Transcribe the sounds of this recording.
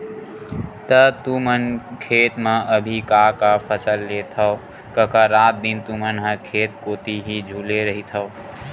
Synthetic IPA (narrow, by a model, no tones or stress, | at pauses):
t̪ət̪umənkʰeːt̪mãʔəbʱikakapʰəsəlːet̪ʰəo | kəkaɾaːt̪̚d̪ɪnt̪umənɦəkʰeːt̪koːt̪iɦid͡ʒʱuːleɾəɦit̪ʰəo